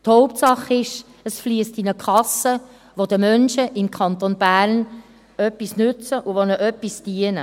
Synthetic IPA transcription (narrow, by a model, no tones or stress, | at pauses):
thɔʊp̚tsɑχɪʃ | əsflyəstɪnəkʰɑsə | ʋod̪əmœnʃəʔɪmkʰɑnt̪onbæːɾn | œpːisnʉt͡səʔʊʋonəʔœpːisd̥iənə